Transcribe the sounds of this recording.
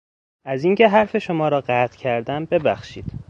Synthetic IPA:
ʔæziːŋcʰe̞ɦæɾfe̞ʃomɒːɾɒːɢæːt̪ʰcʰæɾd̪æmbe̞bæxʃḭːd̪̥

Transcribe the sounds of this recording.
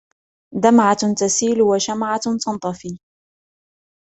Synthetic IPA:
d̪amʕat̪asiːlwaʃamʕat̪ɑnt̪ˤɑfiː

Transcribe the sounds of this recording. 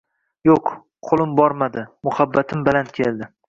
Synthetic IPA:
joq | qʰolˠɪmbɒɾmad̪ɪmʊhabːat̪ʰɪmbɪlant̪̚kʲʰelˠd̪ɪ

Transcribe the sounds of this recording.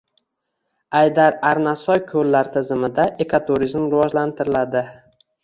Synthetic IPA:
ajd̪aɾaɾnasɒjkʰɵlːaɾt̪ʰɪzɪmɪd̪aʔe̞kʰat̪ʰuɾizmɾɪvɒd͡ʒlant̪ʰɪɾɪlad̪ɪ

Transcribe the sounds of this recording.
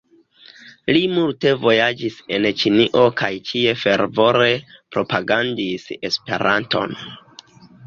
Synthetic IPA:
limulte̞vo̞jad͡ʒise̞nt͡ʃiniʔo̞kajt͡ʃie̞fe̞ɾvo̞ɾe̞pɾo̞paɡandise̞spe̞̰ɾanto̞̰n

